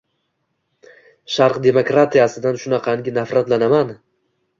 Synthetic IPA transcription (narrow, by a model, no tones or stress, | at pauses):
ʃaɾqd̪e̞mokɾat̪ʰijasɪd̪anʃʊnaqʰɑŋɡʲɪnafɾat̪lanaman